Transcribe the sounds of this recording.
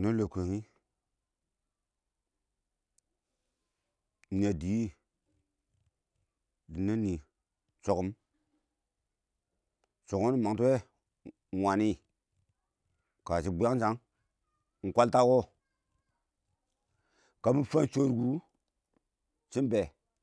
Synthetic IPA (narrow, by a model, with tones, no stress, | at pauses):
no˦lo˨ko˨ŋi˦˨ | a˨di˨˦i˦ | di˨na˦ni˨ | t͡ʃo˨ku˨m | t͡ʃo˨ko˦ni˦ma˨ŋtu˦we˦˨ | wa˨ni˦ | ka˨t͡ʃi˨˦bja˦ŋ˦d͡ʒa˨˦ŋ | ŋ̩˨kʷa˦lta˦ko˦ | ka˨mi˦fa˦nt͡ʃo˦ɾɡu˨˦ | t͡ʃi˦nbe˨